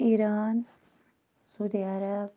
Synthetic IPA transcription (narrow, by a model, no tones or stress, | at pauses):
iɾaːn | suːd̪iaɾab